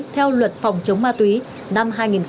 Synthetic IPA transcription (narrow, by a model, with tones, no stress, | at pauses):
t̪ʰɛ˧wlwə˨˩t̚fɑ˨˩wŋ͡mt͡ɕə˨˦wŋ͡mmaː˧t̪wi˨˦ | na˧mɦaː˧jŋi˨˩n